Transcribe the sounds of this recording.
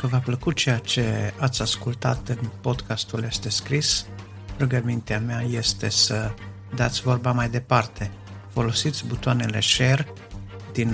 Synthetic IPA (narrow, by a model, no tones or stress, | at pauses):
kəvapləkut̪̚t͡ʃe̞jat͡ʃe̞at̪sʲaskult̪a̰t̪ɨnpo̞d̪kʰast̪uljest̪e̞skɾis | ɾuɡəmint̪eameaje̞st̪e̞sə | d̪at̪sʲvo̞rbamajd̪e̞part̪e̞ | fo̞lo̞sit̪sʲbut̪oanele̞ʃe̞r | d̪in